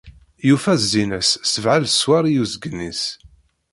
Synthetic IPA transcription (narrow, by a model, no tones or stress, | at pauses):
jufæzːinəsːəvʕalswaɾijuzəɡənːis